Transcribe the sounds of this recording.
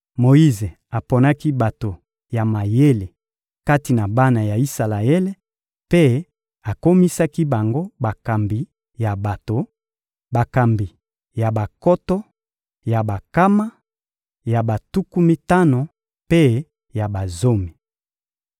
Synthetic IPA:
mo˨ji˦ze˨ | a˨po˨na˦ki˦ba˨to˨ | ja˨ma˨je˦le˨ | ka˦ti˨na˨ba˦na˨ja˨i˦sa˨la˨e˦le˦ | pe˦ | a˨ko˦mi˦sa˦ki˦ba˨ŋɡo˦ba˨ka˨mbi˨ | ja˨ba˨to˨ | ba˨ka˨mbi˨ | ja˨ba˨kɔ˦tɔ˦ | ja˨ba˨ka˦ma˦ | ja˨ba˨tu˦ku˦mi˦ta˦no˨ | pe˦ | ja˨ba˨zo˦mi˨

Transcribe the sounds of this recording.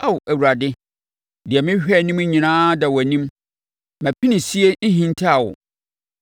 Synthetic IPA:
a˦wʔæ˨wu˨ɾa˨dɪ˦ | dɪ˨ɛ˨mɪ̃˦ɕᶣɛ˦˨nĩ˦m̃˦ɲĩ˨nãː˦dɛ˨wæ˨nĩ˦m | mæ̃˨pʰi˦nĩ˨si˦e˦nɪ˦ɦĩ˨n˦tʰa˦˨wʊ̰˨

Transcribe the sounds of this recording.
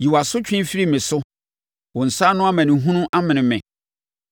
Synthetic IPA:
ji˨wa˨sʊ˦t͡ɕᶣɪ̃˦m˦fi˦ɾi˦mɪ̃˨sʊ˦ | wɔ̃˨n̩˨saː˦nʊ̃˦a˦mæ̃˨nɪ̃˨ɦũ˦nʊ̃˦ʔa˦mɪ̃˨nɪ̃˨mɪ̃˨

